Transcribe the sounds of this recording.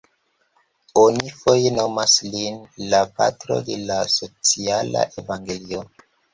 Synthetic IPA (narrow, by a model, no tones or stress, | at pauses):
onifo̞je̞no̞maslinlapa̰tɾo̞̰de̞laso̞t͡siala̰ʔe̞vaŋɡe̞lio